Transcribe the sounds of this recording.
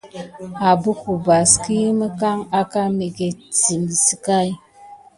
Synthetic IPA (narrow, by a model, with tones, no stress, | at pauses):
a˨bu˦ku˨ba˨ski˦ji˦mə˦ka˦ŋa˦ka˦me˨ɡe˨t͡si˨ŋi˨si˨ka˦˨j